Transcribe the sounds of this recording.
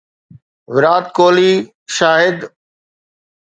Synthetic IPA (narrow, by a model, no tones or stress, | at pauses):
ʋɪɾaːt̪̚koːliː | ʃaːɦɪd̪